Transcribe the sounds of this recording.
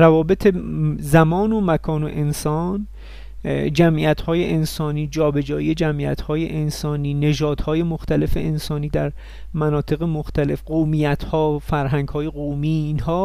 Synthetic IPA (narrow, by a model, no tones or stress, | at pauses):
ɾævɒːbe̞t̪ʰezæmɒːnomækʰɒːnoʔe̞nsɒn | d͡ʒæmʔiæt̪hɒːjeʔensɒːniːd͡ʒɒːbe̞d͡ʒɒːijed͡ʒæmḭæ̰t̪hɒːjeʔensɒːniːne̞ʒɒːd̪̥hɒːje̞moxt̪æle̞feʔensɒːniːd̪æɾ | mænɒːt̪ʰe̞ɣemoxt̪æle̞fɢomijæt̪hɒːfæɾɦæŋɡhɒːje̞ɣomiːnhɒː